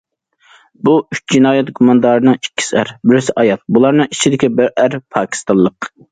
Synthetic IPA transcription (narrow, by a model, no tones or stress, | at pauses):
buyt͡ʃ̚ʲd͡ʒinɑːjɛt̪ɡumɑnd̪ɑːɾɨnɨŋikʲʰːi̥sæɾbɪɾɪsɪʔɑjɑt̪̚bulˠɑɾnɨŋit͡ʃʰid̪ɪkʲibɪɾæɾpʰɑːkʲʰi̥st̪ɑnˠlˠəq